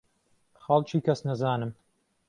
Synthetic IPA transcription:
xɐlˠt͡ʃʰiːkʰɐsnɐzaːnɨm

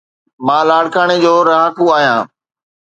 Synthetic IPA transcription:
mãːlaːɽkaːɽ̃ed͡ʑoːɾaakuaːɦjãː

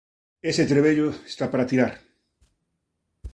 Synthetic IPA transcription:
eset̪ɾeβeʎoest̪apaɾat̪iɾaɾ

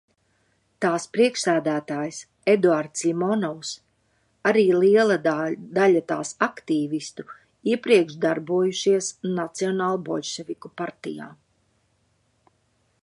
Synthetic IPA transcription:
t̪aːspɾiɛkʃsæːd̪æːt̪aːjs | ed̪uaɾd̪slʲimɔnɔws | aɾiːliɛlˠad̪aʎat̪a̰ːsakt̪iːvist̪u | iɛpɾiɛkʃd̪aɾbuɔjuʃiɛsnat̪siɔnaːlˠubɔlʲʃɛvikupaɾt̪ija̰ː

